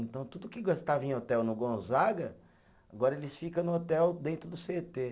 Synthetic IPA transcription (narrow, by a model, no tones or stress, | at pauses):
ẽnt̪ɐ̃w̃t̪ud̪ʊkɪɡost̪avɐẽot̪ɛwnʊɡõzaɡɐ | aɡɔɾɐelɪsfikɐ̃nʊot̪ɛwd̪ẽnt̪ɾʊd̪ʊset̪e